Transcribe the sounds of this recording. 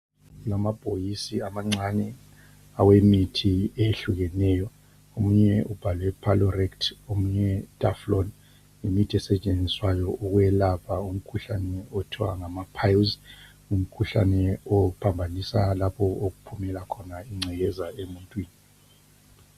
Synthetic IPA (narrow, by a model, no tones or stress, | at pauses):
ulamab̥ʱojisiamaŋ͡ǀanɛ | awemitʰieɬuɣɛnɛːjɔ | omuɲɛʔub̥ʱalwɛpʰalɔrɛktʰomuɲɛtʼaflɔn | imitʰiɛsɛt͡ʃʼend͡zʱiswajɔʔuɣwɛlapʰaum̩kʰuɬanɛɔtʰiwa̰ŋamapʰajlz | um̩kʰuɬa̰nɛɔpʰambʱanisalapʰɔoɣupʰumɛlakʰɔnaiŋ͡ǀʱɛɣɛzaemuntʼwiːni